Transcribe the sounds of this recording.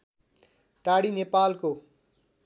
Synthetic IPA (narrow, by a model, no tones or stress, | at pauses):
ʈaɽinepalko